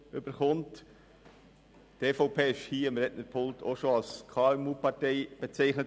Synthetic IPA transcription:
ʏb̥əɾχʊnt | teːfɔʊpʰeːɪʃhiːɪmɾɛtnəɾpʰʊltʰoʃoɑlskʰɑːɛmuːpɑɾtɛɪb̥ɛt͡sɛɪχnə

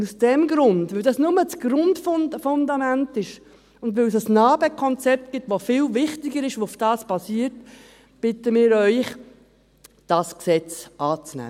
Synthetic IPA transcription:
usd̥ɛmɡɾʊndvʏldɑsnʊmət͡sɡ̥ɾʊndffʊndɑmæntɪʃ | ʊndʋøls̬əsnɑːbəkʰɔnt͡sɛp̚tɡ̥ɪtʋofɪlvɪχtɪɡəɾɪʃoʊfd̥ɑːsb̥ɑsiːɾt | b̥ɪtəmɪːɾœʏχ | d̥ɑsksɛt͡sʔɑːt͡snæ̰ː

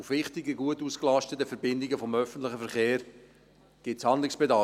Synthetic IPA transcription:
ufʋɪχtɪɡəɡuətuːsklɑʃtətːəfɛɾbɪndɪɡəfɔmœfən̩t̪lɪχəfɛɾχeːɾ | ɡ̥ɪtshɑnd̪lɪksb̥ɛdɑ

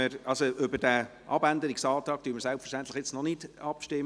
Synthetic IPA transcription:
əɾɑlsoʔʏbədɛʔɑ̰bændəɾɪksɑːtɑːk̚d̥øːməɾsælpfə̥rʃtæntlɪxjɛt͡snɔnɪdɑpʃtɪm

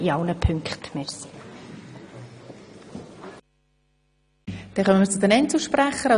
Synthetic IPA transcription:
iɑwnəpʰʏŋkχtmeɾsi̥ | d̥ɛχœmənməɾt͡sʊd̥̪ɛnɛnsuʃpræχəɾɑ

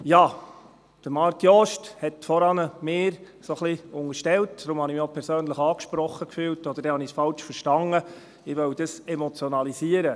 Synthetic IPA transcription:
jɑː | d̥əɾmɑːɾkjɔʃthɛtfɔɾɑnəmɪːɾ | soχliʊŋəɾʃtɛltd̥ɾʊmhɑnimopʰɛɾsøːnləχɑːkʃpɾɔχəkfyːltɔd̥əɾd̥ɛhɑnisfɑlt͡ʃfəɾʃtɑŋə | ɪʋœwd̥əsɛmɔt͡sjɔnɑlisiəɾə

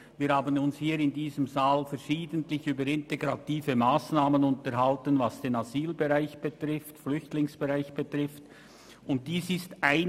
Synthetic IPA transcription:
viːɾhaːbənʊnshiːɾɪndiːzəmzaːlfɛɾʃiːdəntlɪçyːbəɾɪnteɡʁatiːvəmaːsnaːmənʊntəɾɦaltənvasd̥eːnaziːlbeʁaɪçb̥ətʁɪftflʏçtlɪŋsb̥eʁaɪçb̥ətʁ̥ɪft | ʊnt̚d̥iːsɪstaɪ

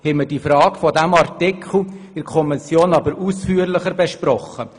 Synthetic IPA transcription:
hɛmədifɾɑːɡfɔdæmɑrtɪkʰχl̩ɪɾkʰɔmɪsjoːnɑbəɾuːsfyːəɾlɪχəɾbeʃpɾɔχə

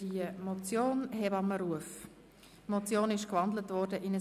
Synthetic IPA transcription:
iəmɔt͡sjoːnɦɛbɑməɾuəf | mɔt͡sjoːnɪʃkvɑndlətvɔɾdəʔɪnə

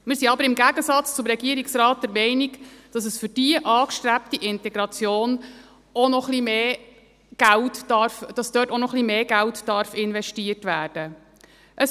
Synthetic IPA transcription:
mɪːɾsiɑbəɾɪmɡæɡəsɑt͡st͡sʊmɾɛɡiəɾiksɾɑːt̚d̥ɛɾmɛɪniɡd̥ɑsəsfʏɾd̥iəʔɑːkʃtɾæp̚tiʔɪntɛɡɾɑt͡sjoːn | ɔnɔχlimeː | ɡ̥æltdɑɾfd̥ɑsd̥œːtɔnɔχlimeːɡæltd̥ɑɾfɪnvɛʃtiətʋæːɾd̥ə | ʔəs

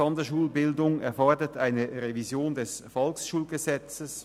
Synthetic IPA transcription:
ɔndəʃuːlbɪldʊŋɛ̰ɐfɔɐdətʰaɪnəʁevizjoːndɛsfɔlksʃuːlɡəzɛt͡səs

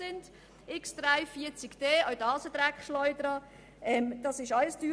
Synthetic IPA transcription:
ɪnd | ɪksd̥ɾaɪfiət͡sɪɡ̥d̥eːɔwdɑːsəd̥̪ɾækχʃlɔʏdəɾɑ | ɛmd̥ɑsɪʃɑɪsd̥yː

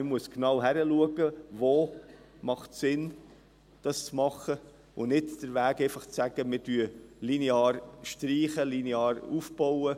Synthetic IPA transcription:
ɪmuəsknɑwɦæɾəluəɡəvoː | mɑχtsɪn | d̥ɑst͡smɑχə | ʊnɪtd̥əɾʋæːkeɪfɑχt͡sæɡ̥əmɪtyəlineɑːɾʃtɾiːχəlineɑːɾufb̥ɔwə

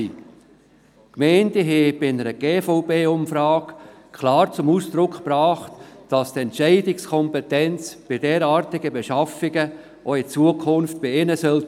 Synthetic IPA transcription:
i | kmɛɪndɪɦɛb̥ɪɪnəɾəɡ̥eːfɔʊpeːʊmfɾɑːk | kʰlɑːɾt͡sʊmusd̪̥ɾʊkχprɑːχtd̥ɑstɛntʃɛɪdɪkskʰɔmpɛtɛnt͡sb̥ɪdɛːɾɑːɾtɪɡəbɛʃɑfɪɡə | ʔoɪt͡suəkʰʊnft̚b̥ɪɪnəsœl

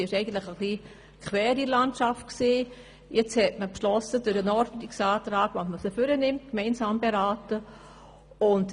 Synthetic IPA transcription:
iɪʃɛɪɡən̩tlɪχəχliː | kʰʋɛːɾilantʃaft̚ksiː | jɛt͡shɛtməpʃlɔsədʊɾənɔɾdn̩tɪksaːtɾaːɡ̥vasməsəfʏɾənɪmt̚kmɛɪnsɑːmbeɾaːtə | ʊnt

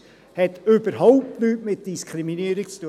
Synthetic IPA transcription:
hɛt̪øbəɾɦɔʊp̚tnyːtmɪt̚d̥iskʰɾiminiəɾik̚t͡st̪uə

